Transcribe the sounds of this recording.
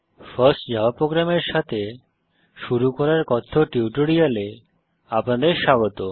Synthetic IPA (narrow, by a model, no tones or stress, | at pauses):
faɾsʈd͡ʑaapɾoɡɾameɾʃat̪ʰe | ʃuɾukɔɾaɾkɔt̪ʰːoʈiuʈoɽijale | apnad̪eɾʃaɡot̪o